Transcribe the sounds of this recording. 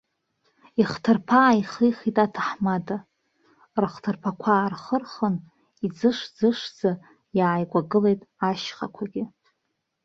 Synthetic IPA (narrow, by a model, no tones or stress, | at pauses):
iχtʰɨrpʰaːiχijχitʼatʰaħmada | rχtʰɨrpʰakʷʰaːrχərχən | id͡zɨʂd͡zɨʂd͡za | jaːjɡʷʼaɡɨle̞jtʼaʃχakʷʰaɡʲɪ